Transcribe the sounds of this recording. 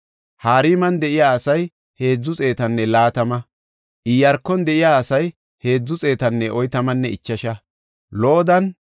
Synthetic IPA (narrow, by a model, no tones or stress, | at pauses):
haːɾiːmɐnd̪ɛʔɪjaːɐsɐj | he̞ːd͡zːʊt͡sʼe̞ːt̪ɐnːɛlaːt̪ɐmɐ | ʔɪjːɐɾkːɔnd̪ɛʔɪjaːsɐj | he̞ːd͡zːʊt͡sʼe̞ːt̪ɐnːɛʔɔjt̪ɐmɐnːɛɪt͡ʃːɐʃɐ | lɔʔɔd̪ɐn